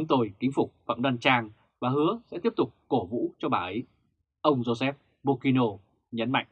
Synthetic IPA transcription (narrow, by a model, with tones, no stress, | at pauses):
ŋ͡mt̪o˧˩jkï˨˦ŋ̟fʊ˨˩k͡p̚fə̰˧˨mɗa˧nt͡ɕaː˧ŋ | vaː˨˩ɦɨ˨˦əsɛ̰˧˥t̪i˥əp̚t̪ʊ˨˩k͡p̚ko˧˩vṵ˧˥t͡ɕɔ˧ɓaː˨˩ʔə˨˦j | ʔə˧wŋ͡mzo˧sɛ˦˥p̚ | ɓo˧ki˧no˧ | ɲə˨˦nma̰˧˨jŋ̟